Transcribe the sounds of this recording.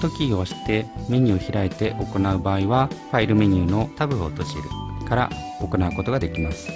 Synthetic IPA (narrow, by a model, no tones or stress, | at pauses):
t̪o̞kʲio̞ɕi̥t̪e̞me̞ɲ̟ɨːçiɾaet̪e̞ʔo̞ko̞naɯ̟baːiβaɸaiɾɯ̟me̞ɲ̟ɯːno̞t̪abɯ̟o̞̰t̪o̞t͡ɕiɾɯ̟kaɾa̰ | o̞ko̞naɯ̟ko̞t̪o̞ɡad̪e̞kʲimasɨ̥